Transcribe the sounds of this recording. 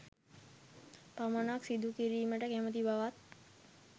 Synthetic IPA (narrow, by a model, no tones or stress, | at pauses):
pamənaksid̪ʱukiɾiːməʈəkɛmət̪̬ibaʋat̪̚